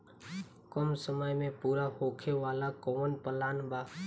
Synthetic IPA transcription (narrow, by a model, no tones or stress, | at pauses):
kəmsəməjmẽːpuːɾahoːkʰeːʋaːlakoːnpəlaːnbaː